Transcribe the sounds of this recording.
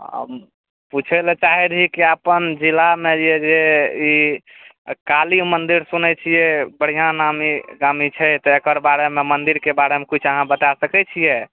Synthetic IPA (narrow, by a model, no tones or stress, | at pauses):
ə̰b | put͡ʃʰɛlɛt͡ʃaɦiɾɦikiəpənd͡ʒilamed͡ʒed͡ʒei | kalimənd̪iɾsunɛt͡ʃʰijɛbəɽ̤ijãnamiɡamit͡ʃʰɛt̪ɔekəɾbaɾememənd̪iɾkebaɾemekut͡ʃʰəɦãbət̪asəkɛt͡ʃʰije